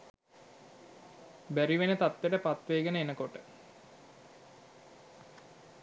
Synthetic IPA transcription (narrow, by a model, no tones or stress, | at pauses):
bæɾiʋenət̪at̪ːəʈəpat̪ʋeːɡənəenəkoʈə